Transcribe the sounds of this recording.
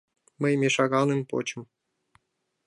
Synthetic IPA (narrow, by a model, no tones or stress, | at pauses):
məjmʲeʂɑɣɑlˠnempo̰t͡ɕə̆m